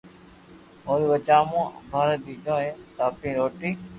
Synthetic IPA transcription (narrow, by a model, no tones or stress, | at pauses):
oːɾiːʋət͡ʃaːmõːbʱaːɾəd̪iːt͡ʃõːɦẽːt̪aːpĩːɾoːʈiː